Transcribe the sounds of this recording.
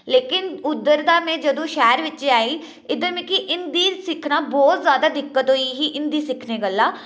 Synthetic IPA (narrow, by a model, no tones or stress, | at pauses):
leːkɪnʊd̪ːəɾd̪aːmẽd͡ʒɐd̪õːʃɛːɾʋɪtːʃeaːiː | ɪd̪əɾmẽkiʔɪnd̪iːsɪkʰnaːbɔːt̪zjaːd̪aːd̪ɪkːət̪ɦoːiɦiʔɪ̃nd̪iːsɪkʰneɡəlːaː